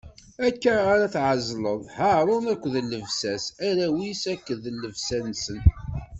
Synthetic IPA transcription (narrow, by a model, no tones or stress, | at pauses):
ækːaaɾaθʕəzˤləðˤhəɾˤonækʷːðəlːəvsæsæɾæwisækːəðəlːəvsænsən